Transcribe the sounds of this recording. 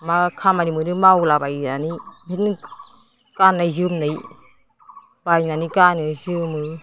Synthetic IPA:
makʰamanimɯnɯmawlabajnanimit̚n | kanːajzɯmnɯj | b̥ajnanikanɯzɯmɯ

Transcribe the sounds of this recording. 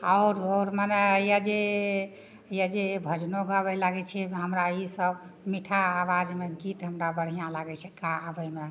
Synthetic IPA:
aʊɾoɾmanɛjad͡ʒe | jad͡ʒebʱəd͡ʒnoɡabɛlaɡɛt͡ʃʰɛɦəmɾaisəb | miʈʰaːʋad͡ʒmeɡit̪ɦəmɾabəɽ̤ijãlaɡɛt͡ʃʰɛkaːbɛme

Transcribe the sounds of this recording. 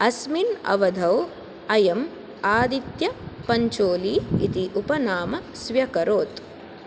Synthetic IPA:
ɐsminɐ̰ʋɐd̪ʱɐw | ɐjɐm | aːd̪it̪jɐpɐɲt͡ʃoːliːit̪iʔupɐnaːmɐsʋjɐkɐɾoːt̪

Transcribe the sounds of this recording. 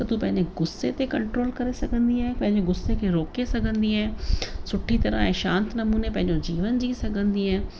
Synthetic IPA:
k̪ət̪ũːpɛ̃ɦɲd͡ʑeɡʊsːeːt̪ekəɳʈɾoːlkəɾesəkə̃nd̪iːɛːpɛ̃ɦɪɲd͡ʒoɡʊsːekeɾoːkesəɡə̃nd̪iːɛːsʊʈʰːiːt̪əɾã̰ːɛ̃ːʃãːnt̪nəmuːneːpɛ̃ɦɪɲd͡ʒõːd͡ʒiːʋənd͡ʒiːsəɡə̃nd̪iːɛː

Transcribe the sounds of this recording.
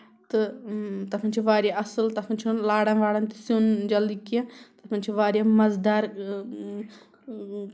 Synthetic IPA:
t̪ɨt̪ɐpʰɐnt͡ʃʰiʋaːɾjaʔɐsɨlt̪ɐpʰɐnt͡ʃʰunlaːɽɐ̃nʋaːɽɐnt̪isõnd͡ʒɐld̪ikiãt̪ɐpʰɐnʲt͡ʃʰiʋaːɾjamɐzd̪aːɾ

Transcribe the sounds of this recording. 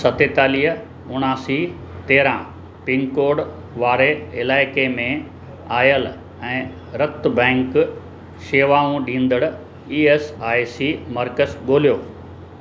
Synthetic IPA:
sɐt̪et̪aːliːɦə | ʊɳ̃aːsit̪eːɾã | pɪŋkoːɖ | ʋaːɾeɪlaːɪkemẽ | aːjəl | ɛ̃ː | ɾɐt̪bɛ̃ːŋk | ʃeːʋaːũɗĩːnd̪əɽ | iːeːsaːisimɐɾkəsɠoːlijoː

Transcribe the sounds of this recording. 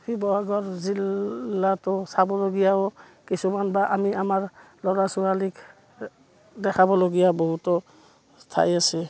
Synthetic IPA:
bibɔɦaɡɔɹzilːatɔsabɔloɡijaɔ | kisumanbaʔamiamaɹ | lɔɹasualik | dɛkʰabɔloɡijabɔɦutɔ | tʰa̰jasɛ

